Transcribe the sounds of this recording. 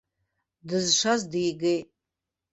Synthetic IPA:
dɨzʂazdijɡejtʼ

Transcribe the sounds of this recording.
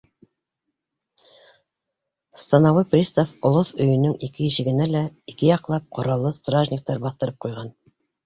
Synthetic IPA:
st̪ɑnɑwɤprʲist̪ofŏlˠoθɵ̆jɵ̆nɵŋikɘjɘ̆ʃɘ̆ɡɘ̆nælæikɘjɑqlˠɑp̚qʰŏɾɑlˠːɤst̪raʒnʲik̚t̪ɑɾbɑθt̪ɤ̆ɾɤp̚qujʁɑn

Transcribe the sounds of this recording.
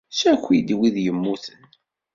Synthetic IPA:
sækʷːid̪wiðjəmːuθən

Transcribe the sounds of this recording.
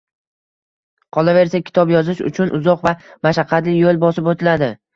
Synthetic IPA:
qʰɒlˠave̞ɾsakʲʰɪ̥t̪ʰɒpjɒzɪʃʊ̰t͡ʃʰʊnʔʊzɒqvamaʃaqʰːɑt̪lɪjolˠbɒsɪpot̪ʰɪlad̪ɪ

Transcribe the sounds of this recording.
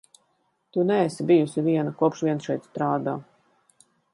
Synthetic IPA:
t̪unɛːsibijusiviɛnakuɔpʃviɛnsʃɛjt̪st̪ɾaːd̪aː

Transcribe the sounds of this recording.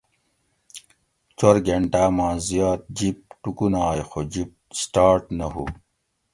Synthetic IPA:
t͡soɾɡeɳʈaːmãːzjaːt̪̚d͡ʑip̚ʈukunaːjxod͡ʑip̚sʈaːɾʈnɐɦṵː

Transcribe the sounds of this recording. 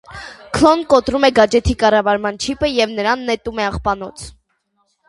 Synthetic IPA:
kʰlɔnkɔt̪ɾumɛɡɑd͡ʒɛt̪ʰikɑrɑvɑɾmɑnt͡ʃʰipʰəjɛvnəɾɑnːɛt̪umɛɑχpɑnɔt͡sʰ

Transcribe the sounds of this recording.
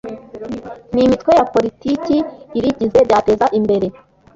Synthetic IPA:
nimitwe̞japo̞ɾiticiːɾiɟize̞bjaːte̞zaʔimbe̞ɾe

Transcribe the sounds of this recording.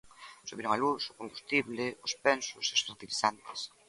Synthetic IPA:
suβiɾoŋalusʊkombust̪iβlɪʊspɛnsʊseosfeɾt̪iliθant̪ɪ̥s

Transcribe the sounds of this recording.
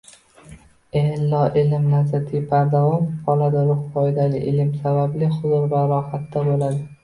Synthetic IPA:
elːɒʔɪlɪmnazat̪ʰɪpʰaɾd̪avɒmqʰɒlad̪aɾʊχfɒjd̪alʲɪʔɪlɪmsabablɪχʊzʊɾvaɾɒhat̪ːabolad̪ɪ

